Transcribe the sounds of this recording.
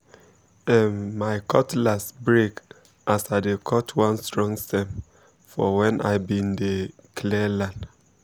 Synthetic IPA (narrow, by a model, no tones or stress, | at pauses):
ɛmmaɪkʰɔtlasbɹek | ʔasadekʰɔtʰwãnstɹɔ̃ŋstɛ̃m | fɔwɛ̃nʔa̰ɪbĩndekʰlɛlãnd